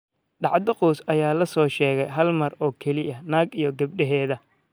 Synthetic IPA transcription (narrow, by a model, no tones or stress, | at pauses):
ɖɑʕd̪ɐqɔːsɐjaːlɐsɔːʃɛːɣɛjɦɐlmɐrɔːkʰɛlɪɐnaːɡijɔɡɐb̚ɗɐɦɛːðɐ